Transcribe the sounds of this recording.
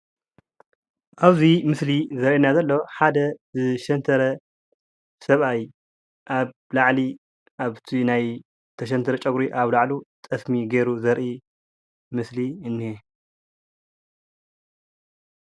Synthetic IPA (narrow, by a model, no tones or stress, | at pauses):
ʔaβzimɨslizɐɾʔinazɐlːo̞ħad̪ɐzɨʃɐnt̪ʰɐɾɐ | sɐβaj | ʔaβ | laʕli | ʔaβt̪ʰinaj | t̪ʰɐʃ̬ɐnt̪ʰɐɾɐt͡ʃʼɐɡɾiʔaβlaʕlut̪ʼɐsmiɡeɾuzɐɾʔi | mɨsliɨnːie